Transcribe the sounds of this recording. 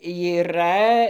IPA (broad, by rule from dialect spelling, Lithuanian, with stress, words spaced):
iːˈrɐ